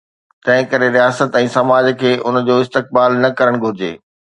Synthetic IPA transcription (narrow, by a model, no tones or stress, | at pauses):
t̪ɐ̃ɦɪ̃kɐɾeɾijaːsət̪ɛ̃ːsɐmaːd͡ʑkʰeːʔʊn̆d͡ʑoːɪst̪ɪk̚baːlnɐkɐɾəɽ̃ɡʱʊɾɪd͡ʑḛː